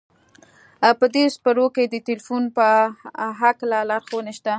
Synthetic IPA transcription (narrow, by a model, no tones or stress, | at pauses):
pəd̪espəɾoked̪ət̪elfunpəɦaklalaɾxowneʃt̪a